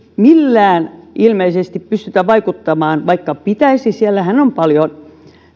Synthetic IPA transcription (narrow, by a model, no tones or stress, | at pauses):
milːæːnilmeisest̪ippyst̪yt̪æʋɑikut̪ːɑmɑːnʋɑikːɑpit̪æisisielːæhænompɑljon